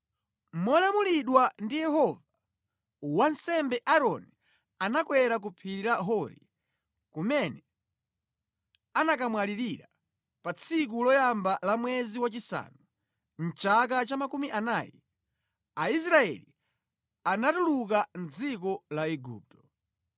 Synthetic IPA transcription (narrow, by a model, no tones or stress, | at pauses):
mɔlamuliɗwandijɛɦɔva | wansɛmbɛʔaɾɔni | anakwɛɾak̬upʰiɾaɦɔɾḭ | kumɛnɛ | anakamwaliɾiɾa | pat͡sʰik̬ulɔjambalamwɛziwat͡ʃisa̰nu | n̩t͡ʃakat͡ʃamakumiʔanajɛ̰ | ais̬ɾaɛ̰li | anatulukan̩d͡zikɔlaɛɡṵːp̚tɔ̥